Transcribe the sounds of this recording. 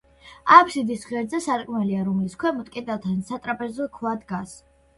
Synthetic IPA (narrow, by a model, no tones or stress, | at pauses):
akʷʰsid̪isʁɛɾd̪zɛsaɾkʼmɛliaɾumiskʰwɛmut̪ʼkʼid̪at̪ʰansat̪ʼɾapʼɛzɔkʰvad̪ɡas